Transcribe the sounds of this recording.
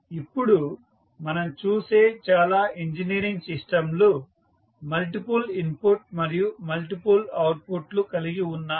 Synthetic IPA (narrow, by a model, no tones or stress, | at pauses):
ipːuɽu | mɐnɐmt͡ʃuːseːt͡ʃaːlaːʔiɲd͡ʒiniːɾiŋɡsisʈɐmlo | mɐlʈipulimpuɾʈ̚mɐɾijumɐlʈipulɐwʈ̚puʈlukɐliɡiunːaː